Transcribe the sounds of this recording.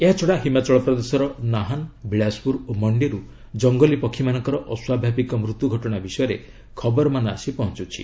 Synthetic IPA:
eɦat͡ʃʰɔɽaɦimat͡ʃɔɭɔpɾɔd̪esɔɾɔnaɦanbiɭaspuɾomɔɳɖiɾu | d͡ʒɔŋɡɔlipɔkʰːimanɔŋkɔɾɔʔɔswabʱabikɔmɾut̪juɡʱɔʈɔɽ̃abisɔjɔɾe | kʰɔbɔɾɔmanɔa̰sipɔɦɔnt͡ʃut͡ʃʰḭ

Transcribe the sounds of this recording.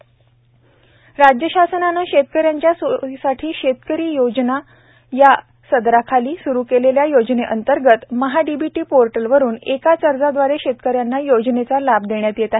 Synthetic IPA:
ɾad͡ʑjəɕasənanːaɕet̪̚kəɾjaɲt͡ɕjassaʈʰiːɕet̪kəɾiːjod͡ʑna | ja | səd̪ɾakʰaliːsuɾuːkeleljajod͡ʑneʔənt̪əɾɡət̪məɦaɖibiʈiːpoɾʈəlʋəɾuːnekat͡səɾd͡zad̪ʋaɾeɕet̪kəɾjanːajod͡ʑnet͡salabd̪eɳjat̪jet̪a

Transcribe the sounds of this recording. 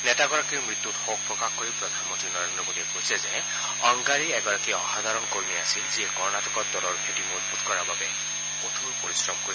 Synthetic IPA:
nɛtaɡɔɹakiɹmɹit̪ːutxok̚pɹɔkaxkoɹipɹɔd̪ʱanmɔnt̪ɹinɔɹend̪ɹɔmodiɛpojsʰɛze | ɔŋɡaɹiɛɡɔɹakiɔ̰xad̪ʱaɹɔnkoɹmiasilziɛkɔɹɔnatʰɔkɔtdɔlɔɹkʰetimodbʱud̪kɔɹaɹbabɛ | kot̪ʰuɹpoɹisɹɔmkoɹi

